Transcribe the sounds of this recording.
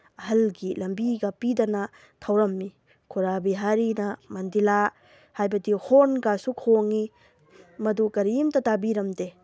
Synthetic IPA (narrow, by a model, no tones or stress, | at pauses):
ɐɦɐlɡilɐmbiɡɐpidɐnɐ | tʰɐwɾɐmːi | kʰuɾabiɦaɾinɐmɐndila | hajbɐdihonɡasukʰoŋi | mɐdukɐɾimtɐtabiɾɐmde